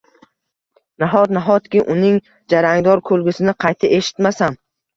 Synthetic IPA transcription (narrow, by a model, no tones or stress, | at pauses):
naɦɒt̪̚naɦɒt̪kʲɪʔʊnɪŋ | d͡ʒaɾaŋd̪ɒɾkʰɵlɡʲɪsɪnɪqʰɑjt̪ʰɪʔeʃɪ̥t̪masan